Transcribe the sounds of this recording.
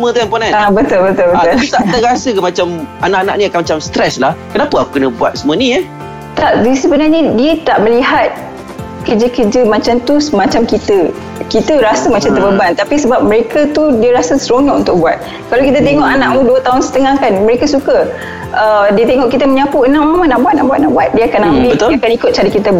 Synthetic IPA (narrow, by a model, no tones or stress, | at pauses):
mə̃t̪ɛmpɔnanabət̪ʊlbət̪ʊlbəʊt̪aəɾasəkamat͡ʃamanaʔana̰ʔ̚niakanmat͡ʃamst̪ɾɛslahkənapaaku̥kənəbua̰t̪̚səmũənia | t̪aʔdisəbənarɲədiət̪aʔmə̃liɦat̪̚ | kəd͡ʒəkəd͡ʒəmat͡ʃamt̪usmãt͡ʃamkit̪ə | kit̪əɾasəmat͡ʃamt̪əbəbant̪apisəbap̚mə̃ɾekat̪udiəɾasəsəɾoɲɔʔṵnt̪ʊk̚buat̪̚ | kalawkit̪̬ət̪̬eŋɔʔanaʔ̚muduət̪aɦʊnsə̥t̪əŋahkanməɾekasukə | ʔədiət̪eŋɔʔkit̪̬əmə̃ɲãpuənãmamanaʔbuat̪̚na̰ʔbuat̪̚naʔbuat̪̚diəakanːamiət̪akanikʊt̪̚t͡ʃadikit̪əb